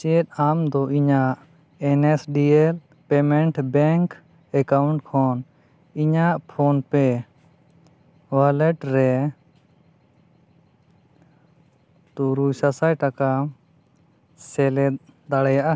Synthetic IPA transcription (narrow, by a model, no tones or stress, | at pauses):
t͡ʃɛɛt̪̚amd̪ɔʔiɲaʔ | ɛnesɖiɛl | pɛmɛɳʈbɛŋk | ɛkawɳʈkʰɔn | iɲaʔpʰonpɛ | walɛʈɾɛ | t̪uɾujsasajʈaka | sɛlɛd̪aɽɛjaʔa